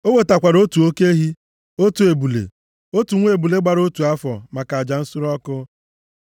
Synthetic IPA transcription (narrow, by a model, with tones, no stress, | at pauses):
o˦ŋʷe˨ta˨kʷa˨ɾo˦tu˨o˦ke˦ɦi˦ | o˦tu˨e˨bu˨lḛ˨ | o˦tu˨ŋʷ˦e˨bu˨le˦ɡ͡ba˨ɾo˦tu˨a˦fɔ˨ma˨ka˨d͡ʒa˨n̩˦su˦ɾɔ˦kʊ˦